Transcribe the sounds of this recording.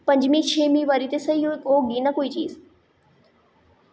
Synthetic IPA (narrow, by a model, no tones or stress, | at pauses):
pɐ̃ɲd͡ʒmĩt͡ʃʰeːmĩʋaːɾit̪esɐɦiooːɡiːnakoːit͡ʃiːz